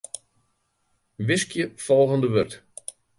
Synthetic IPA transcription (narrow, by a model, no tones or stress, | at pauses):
ʋɪskjəfɔlˠɣəndəʋørt